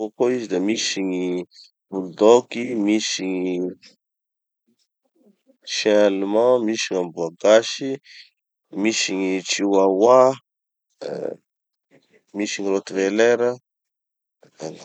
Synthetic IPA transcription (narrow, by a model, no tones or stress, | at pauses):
okoizid̪amisiɲi | buld̪okimisiɲi | ʃẽalumãmisiŋambuaɡaʃi | misiɲit͡ʃiwawa | misiŋiɾot̪uveleɾə | an